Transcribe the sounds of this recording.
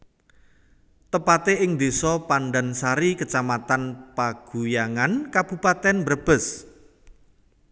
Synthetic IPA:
t̪əpat̪eʔɪŋd̪e̤sɔpanɖa̤nsaɾikət͡ʃamat̪anpaɡ̥ṳjaŋankab̥ṳpat̪ɛnbəɾəb̥ə̤s

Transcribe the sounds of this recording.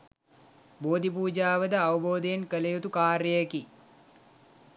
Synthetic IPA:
boːd̪ʱipuːd͡ʒaːʋəd̪əaʋəboːd̪əjenkəlejut̪ukaːɾjəjeki

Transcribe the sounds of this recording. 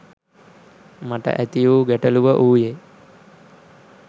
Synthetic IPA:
maʈə̰ʔæt̪ijuːɡɛʈəluʋəʔuːje

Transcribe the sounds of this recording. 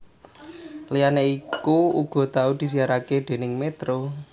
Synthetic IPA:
lijaneikuuɡ̥ɔ̤t̪aud̪̥i̤s̬iaɾaked̪̥e̤nɪŋmet̪ɾo

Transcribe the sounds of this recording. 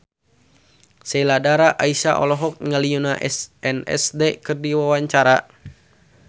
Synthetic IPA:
sɛladaɾaʔaisa̰ʔɔ̰lɔɦɔk̚ŋaliunaʔɛsɛnɛ̰sdɛkɨrdiwawaɲt͡ʃaɾa

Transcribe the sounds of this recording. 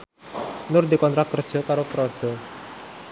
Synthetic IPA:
nʊrd̪ikɔnt̪ɾat̪̚kərd̥ʒ̥ɔ̤kaɾopɾod̪̥ɔ̤

